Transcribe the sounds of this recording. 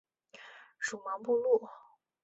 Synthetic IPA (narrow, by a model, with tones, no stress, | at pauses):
ʂu˨˩mɑ˧˥ŋpu˥˧lu˥˩